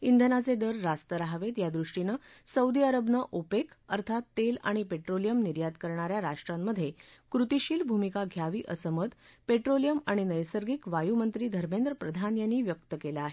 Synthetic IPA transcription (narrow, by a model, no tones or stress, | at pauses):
ind̪ʱənat͡sed̪əɾːast̪əɾaɦʋet̪jad̪ɾuʂʈinəsəwd̪iəɾəbnəʔopekəɾt̪ʰat̪ːela̰ɽ̃ipeʈɾolijəmniɾjad̪kəɾɳaɾjaɾaʂʈɾamːəd̪ʱjekɾut̪iɕiːlbʱumikaɡʱjaʋiːʔəsəmət̪peʈɾolijəmaɽ̃inəjsəɾɡikʋajumənt̪ɾiːd̪ʱəɾmend̪ɾəpɾəd̪ʱanjanːiːʋjək̚t̪əkelaaɦe